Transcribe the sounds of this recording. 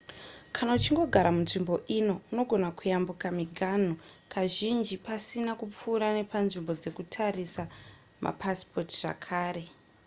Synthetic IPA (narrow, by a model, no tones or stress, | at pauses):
kʰanaut͡ʃiŋɡo̞ɡʱaɾamunʐimbo̞ʔino̞uno̞ɡʱo̞nakujambukamiɡʱan̤okʰaʒind͡ʒipasinakup͡fuːɾane̞panʐimbo̞d͡ze̞kutʰarisa | ma̰paspʰo̞tiʐ̥a̰kʰaːɾe̞